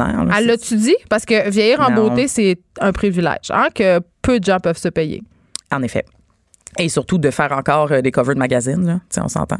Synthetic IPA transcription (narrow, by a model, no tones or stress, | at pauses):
ɛ̰ːʁləɛlːət̪yd̪ipaʁsə̥kəvjɛjiːʁɑ̃boesɛɛ̃pχivilɛ̰ːʒ̥ã̰kʲəpød̪əʒɑ̃pœv̥səpɛjḛ | ɑ̃nefɛ̰ | esyʁt̪ud̪əfɛːʁɑ̃kɑːʁəd̪ekɔvəd̪maɡʲazɪnlʌt̪t͡seɔ̰̃sɑ̰̃t̪ã̰